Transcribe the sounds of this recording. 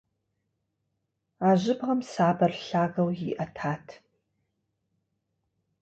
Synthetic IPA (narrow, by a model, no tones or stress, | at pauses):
aːʑʷɪbʁɐmsaːbɐrɬaːɣɐwjɪ̰ʔɐtʰaːtʰ